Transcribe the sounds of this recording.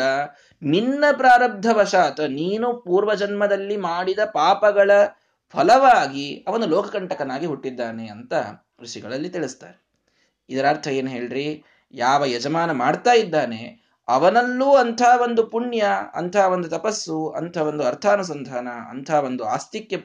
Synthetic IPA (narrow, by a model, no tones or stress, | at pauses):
ɐ | ninːɐpɾaːɾɐb̚d̪ʱːɐʋɐʃaːt̪ɐniːnupuːɾʋɐd͡ʒɐnmɐd̪ɐlːimaːɽid̪ɐpaːpɐɡɐɭɐ | pʰɐlɐʋaːɡiɐʋɐnd̪ulɔːkɐkɐɳʈɐkɐnaːɡiɦuʈːid̪ːaːne̞ɐnt̪ɐ | ɾuʂiɡɐɭɐlːit̪iɭist̪aːɾe | id̪ɐɾaːɾt̪ʰɐjeːnɦeːɭiɾi | jaːʋɐjɛd͡ʒɐmaːnɐmaːɖt̪aːjid̪ːaːnḛ | ɐʋɐnɐlːuːɐnt̪ʰaːʋo̞nd̪upuɳjɐɐ̰nt̪ʰaːʋond̪ut̪ɐpɐsːuɐ̰nt̪ʰaːʋo̞nd̪uɐɾt̪ʰaːnus̬ɐnd̪ʱaːnɐɐ̰nt̪ʰaːʋo̞nd̪ua̰ːst̪ikːjɐ